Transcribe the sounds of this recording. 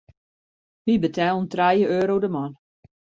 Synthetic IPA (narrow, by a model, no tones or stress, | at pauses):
mibətʰɛːlˠəntrajəøːɾowdəmɔn